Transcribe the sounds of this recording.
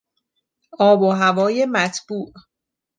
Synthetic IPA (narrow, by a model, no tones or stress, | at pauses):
ʔɒːboɦævɒːje̞mæt̪ʰb̥uːʔ